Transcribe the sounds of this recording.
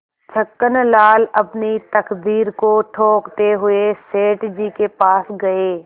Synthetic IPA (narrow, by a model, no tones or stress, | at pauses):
t͡ʃʰəkːənlaːlɐpnit̪ɐkd̪iːɾkoʈʰoːkt̪eɦʊeseːʈd͡ʒiːkepaːsɡɐeː